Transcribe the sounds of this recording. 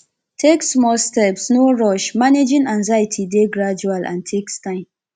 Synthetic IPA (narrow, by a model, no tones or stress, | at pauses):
tʰeksmɔlstɛpsnoɹɔʃmaned͡ʒĩŋãŋzajitʰideɡɹad͡ʒualʔã̰ntʰekstãɪ̃m